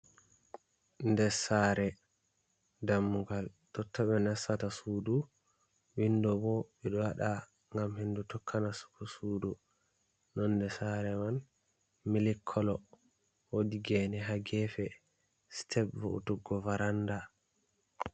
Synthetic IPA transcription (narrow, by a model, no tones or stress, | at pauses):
ndɛsaɾɛ | damːuɡaltɔtʰːaɓɛnasatasuːdu | windɔbɔɓɛɗɔwaɗa | ŋɡamhindutɔkʰːanasu̥kusuːdu | nɔnːdɛsaɾɛman | milikʰːɔlɔ | wodiɡɛnɛɦaɡɛfɛ | stʰɛbvṵṵtuɡːɔvaɾanda